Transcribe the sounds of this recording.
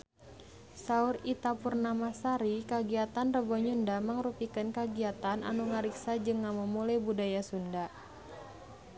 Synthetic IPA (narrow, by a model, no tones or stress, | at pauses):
saurit̪apurnamasaɾikaɡiat̪anrəbɔɲundaməŋɾupikənkaɡiat̪anʔa̰nuŋaɾiksad͡ʒɨŋːamumulajbudajasunda